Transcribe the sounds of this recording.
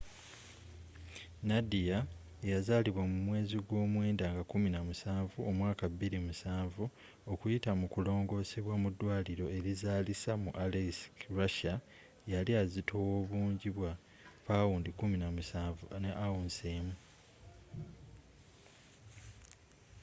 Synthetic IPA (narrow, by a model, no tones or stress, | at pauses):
nadija | ejazaliβwamumwe̞ːziɡwo̞ːmwe̞ːndaːŋɡakuminamusaːɱvuo̞mwaːkaβːiɾimusaːɱvu | o̞kujitamukulo̞ːŋɡo̞ːse̞βwamudːwaːliɾo̞e̞ɾizaːlisamuʔaleskɾaʃa | jaliazitʰo̞wo̞ːβuːɲɟiβwa | pawundikuminamuaːvuneʔawunseːmu